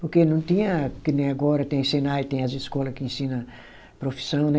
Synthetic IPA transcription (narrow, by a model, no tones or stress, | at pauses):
poɾkenɐ̃w̃t̪ĩɲɐkɪnẽj̃aɡɔɾɐt̪ẽj̃senajʊt̪ẽj̃ɐzɪskɔlɐkɪẽsĩnɐ | pɾofi̥sɐ̃w̃nɛ